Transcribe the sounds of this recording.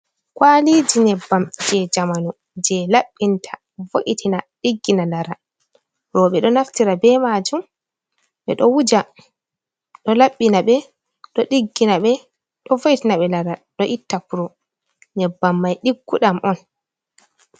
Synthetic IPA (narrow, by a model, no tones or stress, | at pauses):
kwalid͡ʒinɛbːamd͡ʒɛd͡ʒamanu | d͡ʒɛlaɓːintʰḁ | voʔitʰinaɗiɡːinalaɾa | ɾɔɓɛɗɔnaftiɾabɛmad͡ʒum | ɓɛ̰ɗɔwud͡ʒa | ɗɔlaɓːinaɓɛ | ɗɔɗiɡːinaɓɛ | ɗɔvoʔitinaɓɛlaɾaɗɔʔitːapuɾɔ | nɛbːamːajɗiɡːuɗamʔɔn